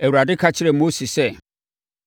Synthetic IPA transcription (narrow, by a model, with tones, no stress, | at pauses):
ɛ˨wu˨ɾa˨dɪ˦kʰa˦t͡ɕʰɪ˦ɾɛ˨mo˦si˨sɛ˦